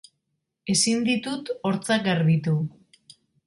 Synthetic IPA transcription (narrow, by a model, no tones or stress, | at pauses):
e̞sind̪it̪ut̪o̞ɾt͡sakɡaɾβit̪u